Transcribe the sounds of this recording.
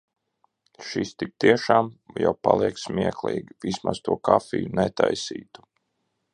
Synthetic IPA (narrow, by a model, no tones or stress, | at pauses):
ʃist̪ik̚t̪iɛʃaːmja̰wpalˠiɛksmʲiɛklˠḭːɡʲivismast̪uɔkafʲijunɛt̪ajsḭːt̪u̥